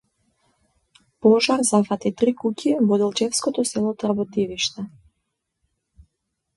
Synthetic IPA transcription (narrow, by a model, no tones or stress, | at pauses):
pɔʒaɾzafat̪it̪ɾikucʰivɔd̪ɛlˠt͡ʃɛfskɔt̪ɔsɛlˠɔt̪ɔɾabɔt̪iviʃt̪ɛ